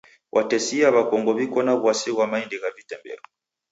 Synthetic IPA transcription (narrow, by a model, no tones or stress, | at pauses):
wʔatɛsiaβakɔŋɡɔβikɔnaβwasiɣwamaindiɣavitɛmbɛ̰ɔ